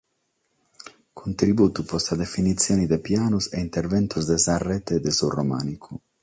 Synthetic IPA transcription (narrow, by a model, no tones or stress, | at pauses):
kʰunt̪ɾibuːt̪upɔst̪ad̪efinit̪sːjoːnid̪epjaːnuseint̪ervɛnt̪ʰuzd̪ezarːɛt̪ed̪esuroma̰ːnikʰu